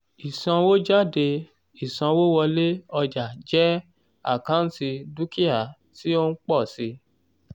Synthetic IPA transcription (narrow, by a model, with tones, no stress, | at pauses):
i˨sã˧wo˦d͡ʒa˦˨de˧ | i˨sã˧wo˦wɔ˧le˦ɔ˧d͡ʒa˨d͡ʒɛ˦ | a̰˦˨kã˦n̩˦ti˧du˦ki˦a˦˨ | ti˦o˦n̩˦k͡pɔ˦˨si˧